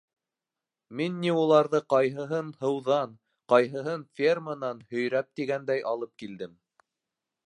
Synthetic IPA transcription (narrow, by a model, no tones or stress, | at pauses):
minːiulˠɑɾðɤqɑjɦɤ̆ɦɤnhɤ̆wðɑn | qɑjɦɤ̆ɦɤnfʲermənɑnhɵ̆jɾæp̚t̪iɡænd̪æjʔɑlˠɤp̚kild̪ɘm